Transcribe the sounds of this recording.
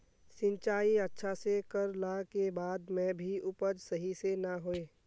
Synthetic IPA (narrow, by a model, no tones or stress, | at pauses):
sɪ̃nt͡ʃaːiətːʃʰasekəɾlaːkebaːd̪mẽbʱiʊpəd͡ʒsəɦisenəɦoeː